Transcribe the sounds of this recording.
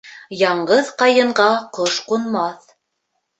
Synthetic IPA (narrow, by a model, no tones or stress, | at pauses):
jɑɴɢɤðqɑjɤ̆ɴɢɑqoʃqunmɑθ